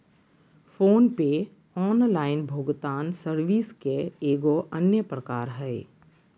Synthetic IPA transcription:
foːnpe | ɔːnlaːɪnbʱoːɡt̪aːnsəɾʋiːskeeːɡoʔɐnjəpɾəkaːɾɦɛː

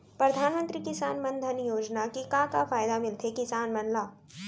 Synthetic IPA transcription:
pɾɐd̪ʱaːnmə̃nt̪ɾikɪsaːnmɐ̃nd̪ʱənjoːd͡ʒnakikãkafaːjd̪amɪlt̪ʰekɪsaːnmɐnlaː

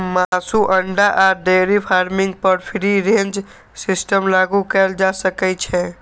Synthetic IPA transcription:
masuʔəɳɖaʔaɖeɾipʰaɾmĩŋɡ̚pəɾpʰiɾiɾẽnd͡ʒ | sisʈəmlaɡukɛːld͡ʒasəkɛt͡ʃʰɛ

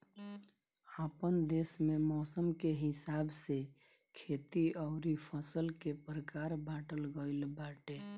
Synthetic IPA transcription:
apənd̪esmemɔsəmkeɦɪsabse | kʰet̪iəʊɾipʰəsəlkepɾəkaɾbaʈəlɡəɪlbaʈe

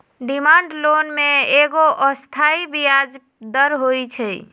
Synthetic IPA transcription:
ɖimaɳɖlonmeeɡoʔəst̪ʰaibijad͡ʒ | d̪əɾɦojt͡ʃʰə

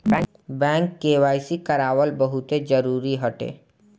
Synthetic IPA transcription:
bɛ̃ | bɛ̃ŋkːeːwaːjsikəɾaːwəlbəɦut̪ed͡ʒəɾuːɾiɦɔʈḛ

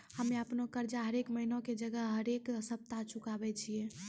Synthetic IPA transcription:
həmeəpnokəɾd͡ʒaɦəɾekməɦinõked͡ʒəɡəɦɦəɾeksəb̚t̪at͡ʃʰukabɛt͡ʃʰije

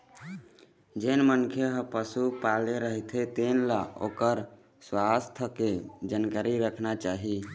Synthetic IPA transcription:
d͡ʒenmənkʰeɦəpəsupaleɾəɦit̪ʰet̪enlao̰kəɾ | swast̪ʰəked͡ʒankaɾiɾəkʰnat͡ʃaɦi

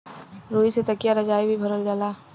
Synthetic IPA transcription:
ɾoːiset̪ɐkjaɾɐd͡ʒaːibʱibʱɐɾəld͡ʒaːlaː

